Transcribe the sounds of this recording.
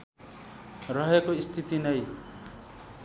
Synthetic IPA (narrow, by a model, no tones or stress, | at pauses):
rʌɦekoist̪ʰit̪inʌj